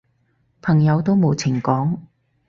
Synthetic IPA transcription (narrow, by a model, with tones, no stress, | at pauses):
pʰɐ˨˩ŋjɐ˨˧wt̪o˥wmo˨˧wt͡sʰɪ˨˩ŋkɔː˨˥ŋ